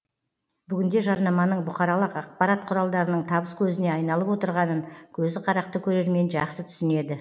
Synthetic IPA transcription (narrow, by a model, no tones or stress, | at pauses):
bʏɡʲɪnd̪e̞ʒɑɾnɑmɑnəɴbʊχɑɾɑlˠəqɑq̚pɑɾɑt̪̚qʰʊɾɑlˠd̪ɑɾənəɴt̪ʰɑbəskʲʰɵzɪne̞ɑjn̪ɑlˠəpwo̞t̪əɾʁɑnəŋkʲʰɵzɪqʰɑɾɑqt̪əkʲʰɵɾe̞ɾme̞nʒɑqsət̪ʰʏ̥sɪne̞d̪ɪ